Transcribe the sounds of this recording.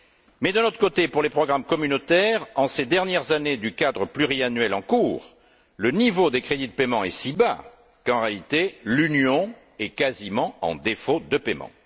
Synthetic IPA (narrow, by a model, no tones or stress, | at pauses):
mɛd̪ənɔt̪χəkot̪epuʁlepχɔɡʁamkɔmynot̪ɛʁɑ̃sed̪ɛʁnjɛʁzaned̪ykad̪ʁəplyʁianɥɛlɑ̃kuːʁ | lənivod̪ekχed̪id̪əpemɑ̃ɛsiba̰ | kɑ̃ʁealit̪elynjɔ̃ | ɛkazimɑ̃ɑ̰̃d̪efod̪əpemɑ̰̃